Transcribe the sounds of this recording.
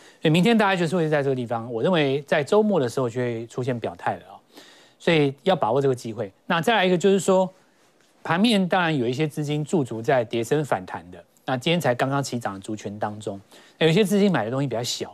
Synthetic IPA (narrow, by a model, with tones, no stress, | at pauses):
sɔ˥i˨mi˧ŋt̪ʰjɛ˥nt̪a˥˧˩t͡ɕa˥˩t͡ɕo˥˧ʂ̩˥˧we˥˧˥ʈ͡ʂɤ˥˧ɡə˧t̪i˥˩ɑ˦ŋwɔ˨˩ɻə˥˨nwe˧˥ɪt͡sa˥˩ɪʈ͡ʂo˥ʊmwɔ˥˩ɾə˩ʂɻ̩˧˥xo˥˧ʊt͡ɕʰɛ˥˧we˥˩ɪʈ͡ʂʰu˥ɕ̬jɛ˥˩npjɑ˨˩ʊt̪ʰa˥˩ɪlə˩ɔ˨˩ | swɔ˧˥i˨jɑ˥˩ʊpa˨˩wɔ˧˥˩ʈ͡ʂɤ˥˩ɡə˩t͡ɕi˥xwe˥˩ɪna˥˨t͡sa˥˩ɪla˧˥i˧ɡə˧t͡ɕo˥˧ʂɻ̩˥˩ʂwɔ˥ | pʰa˧˥nmjɛ˥˧˨nt̪ɑ˥ŋɻa˧˦njo˨˩ʊi˥˩ɕ̬jɛ˥t͡sɹ̩˥˧t͡ɕi˥nt͡su˥˩t͡su˧˥˦t͡sa˥˩ɪt̪jɛ˧˥ʂə˦nfa̰˨˩nt̪ʰa˧˦nd̪ə˧ | na˥˩t͡ɕi˥nt̪ʰjɛ˥nt͡sʰa˧˥ɪkɑ˥ŋkɑ˥ŋt͡ɕʰi˧˥ʈ͡ʂɑ˨˩ŋlə˦t͡su˧˥t͡ɕʰɥɛ˧˥nt̪ɑ˦ŋʈ͡ʂʊ˥˦ŋna˥˩jo˨˩˦i˥ɕjɛ˥t͡sɹ̩˥˧t͡ɕi˥nma˨˩ɪd̪ə˦t̪o˥ŋɕi˧pi˨˩t͡ɕɑ˥˩ɕjɑ˨˩˦